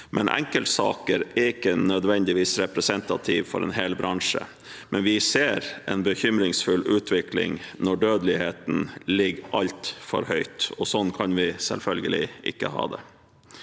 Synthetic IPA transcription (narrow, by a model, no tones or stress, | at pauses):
mʔɛ̰nʔɛ̰ŋkəlt̪sɑ̰ːkəɾɛɪkːənœd̪ʋɛnd̪ɪʋiːsɾɛpɾɛsɛnt̪ɑt̪ʰiʋfɔɾɛ̰ːnɦeːlbɾɑŋʂə̰ | mɛnʋɪseːɾʔɛnbəçʏmɾɪŋsfʉlːʔʉːt̪ʰʋɪklɪ̰ŋnɔɖøːd̪lɪheːt̪n̩lɪɡːʔɑlt̪fɔ̰ɾhœʏt̪ɔsɔnːkʰɑnʋɪsɛ̰lfœlɡəlɪ̰ʔɪ̰kːəhɑ̰ːd̪ɛ